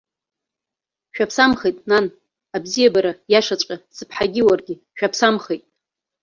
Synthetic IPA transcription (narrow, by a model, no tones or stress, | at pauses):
ʃᶣapʰsamχejtʼnan | abzijabaɾajaʂat͡ʃʷʼkʼasɨpʰħaɡʲiwarɡʲɪ | ʃᶣapʰsamχejtʼ